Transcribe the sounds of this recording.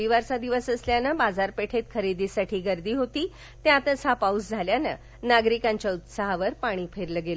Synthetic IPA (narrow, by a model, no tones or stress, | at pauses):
iʋaɾt͡sad̪iʋəsəsljanəbad͡zaɾpeʈʰet̪kʰəɾid̪iːsaʈʰiːɡəɾd̪iːɦot̪iː | t̪jãt̪əsapausd͡zʱaljanə̰ | naɡɾikãɲt͡ɕaut̪saɦʋəɾpaɽ̃iːpʰeɾləɡelə